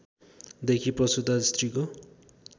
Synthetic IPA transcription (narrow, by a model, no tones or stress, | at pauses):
d̪ekʰipʌsud̪ast̪riko